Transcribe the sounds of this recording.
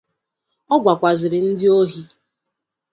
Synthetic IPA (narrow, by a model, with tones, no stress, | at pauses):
ɔ˦ɡʷa˨kʷa˨zɪ˨ɾɪ˨n̩˦dɪ˦o˦ɦi˦